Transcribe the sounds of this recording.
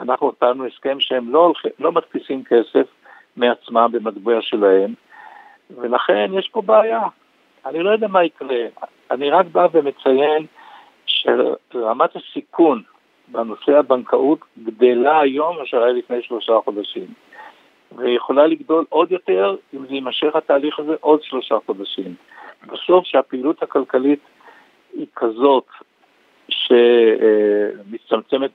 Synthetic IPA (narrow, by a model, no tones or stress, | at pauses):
anaχnuot̪anueske̞mʃehemlolilo̞mat̪pisimkʰe̞se̞f | meat͡smambe̞madbiaʃe̞lahe̞m | ve̞laχe̞njeʃpo̞beajaː | nilo̞jod̪ɛamaikʁe | aniʁakbaveme̞t͡saje̞n | ʃḛʁamat̪hasikʰun | beno̞se̞abankʰaʔut̪ɡd̪elaːjo̞maʃeʁajlifne̞jʃlo̞ʃaχo̞d̪aʃim | vejeχo̞laliɡdo̞lʔo̞d̪jo̞t̪e̞ʁimzeimaʃe̞χhat̪aːliχaze̞ʔo̞dʃlo̞ʃaχo̞d̪aʃim | baso̞fʃeapeiluthakalkalit | ikʰazo̞t | ʃe̞ | mit͡samt͡se̞me̞t̚